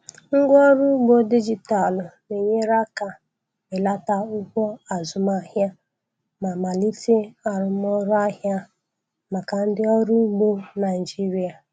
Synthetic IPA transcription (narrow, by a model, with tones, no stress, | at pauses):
ŋ̩˦ɡʷɔ˦ɾu˦ɡ͡bo˦di˦d͡ʒi˨ta˨lʊ˨ne˨ɲe˦ɾa˦ka˨ | me˨la˦ta˦u˦kʷɔ˦a˨zʊ˨ma˨ɦja˦ | ma˨ma˨li˦te˦a˨ɾʊ˨m˦ɔ˦ɾʊ˦a˦ɦja˦ | ma˨ka˨n̩˦dɪ˦ɔ˦ɾu˦ɡ͡bo˦na˨d͡ʒi˦ɾi˨a˨